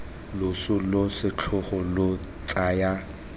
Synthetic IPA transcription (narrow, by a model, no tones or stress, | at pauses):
lʊsʊlosɪt͡ɬʰʊχɔlo | t͡sʼaːja